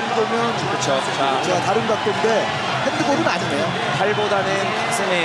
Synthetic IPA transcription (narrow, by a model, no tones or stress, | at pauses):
ndɯɡomjʌnukɯt͡ɕʰo | t͡ɕat͡ɕe̞ɡataɾɯnɡak͈̚ɯnde̞ | hendɯɡoɾɯnaɲinejo | taɭbodanɯntʰak̚s͈ʰɯŋe